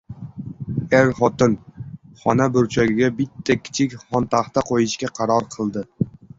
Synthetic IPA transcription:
eɾχɒt̪ɨnχɒnabɪɾt͡ʃʰɒjɡʲɪɡʲabɪt̪ʰːɛkʲʰːi̥t͡ʃʰɪkʲχɒnt̪ʰɑχt̪aqʰojɪʃkʲaqʰɑɾɒɾqʰəlˠd̪ɪ

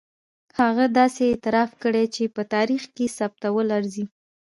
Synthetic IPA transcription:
haɣad̪ɑseːt̪ɪɾɑfkəɽet͡ʃepət̪ɑɾixkesap̚t̪awəlaɾzi

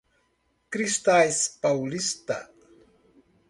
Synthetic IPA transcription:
kɾist̪ajspawlist̪a̰

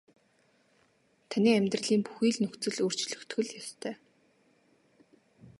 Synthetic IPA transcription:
t̪ʰanʲiːæmʲt̪rə̆ɮiːmpu̥xiːɮnɵxt͡sɘ̆ɮɵr̥t͡ɕɮɵ̆kt̪ɡɵ̆ɮjɔst̪ʰœː

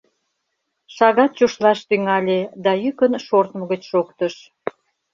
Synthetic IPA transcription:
ʃɑɣɑt̪̚t͡ɕoʃlɑʃt̪yŋɑlʲed̪ɑjykənʃort̪məɣət͡ɕʃokt̪əʃ

